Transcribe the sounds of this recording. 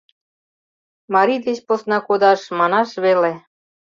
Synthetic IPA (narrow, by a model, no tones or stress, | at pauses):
mɑɾid̪et͡ɕposnɑkod̪ɑʃmɑnɑʃβele